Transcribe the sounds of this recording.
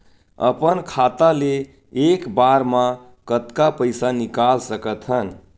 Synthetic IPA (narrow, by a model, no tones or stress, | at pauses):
ə̰pənkʰat̪aleː | kbaɾmã | kət̪kapəjsanikalsəkət̪ʰɦən